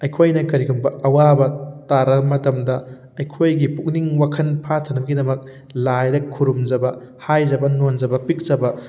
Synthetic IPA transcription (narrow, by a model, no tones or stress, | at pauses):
ɐjkʰojnɐkɐɾiɡʰumbɐʔɐwabɐtaɾɐmɐtɐmdɐ | ɐjkʰojɡipuk̚niŋwakʰɐnpʰatʰɐnɐmɡidɐmɐk̚ | lajdɐkʰuɾumd͡ʒɐbɐ | hajd͡ʒɐbɐnond͡ʒɐbɐpik̚zɐbɐ